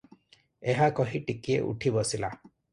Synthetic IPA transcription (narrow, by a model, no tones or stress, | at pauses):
eɦakɔɦiʈikiḛʔṵʈʰibɔsila